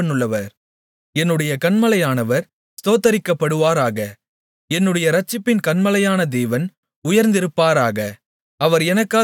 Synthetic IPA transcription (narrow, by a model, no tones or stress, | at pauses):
ɐnːɯɭːɐʋɐɾ | ɛnːɯɽɐjɐkɐɳmɐlɐjaːnɐʋɐɾ | st̪oːt̪ɐɾɪkːɐpːɐɽɯʋaːɾaːɣɐ | ɛnːɯɽɐjɐɾɐt͡ʃːɪpːɪnkɐɳmɐlɐjaːnɐd̪eːʋɐn | ʊjɐɾnd̪ɪɾɯpːaːɾaːɣɐ | ɐʋɐɾɛnɐkːaː